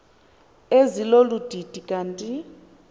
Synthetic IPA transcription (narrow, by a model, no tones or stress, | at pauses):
ezilolud̥ʱid̥ʱikʼaːntʼi